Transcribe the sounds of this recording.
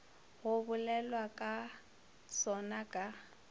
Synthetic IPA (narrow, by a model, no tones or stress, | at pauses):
ɣʊbʊlɛlwakʼa | sɔnakʼa